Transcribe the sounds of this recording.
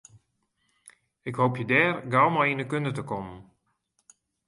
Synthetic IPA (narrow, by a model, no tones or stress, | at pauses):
ɪkhowpjədɛːrɡawmɔjindəkøndətəkɔmən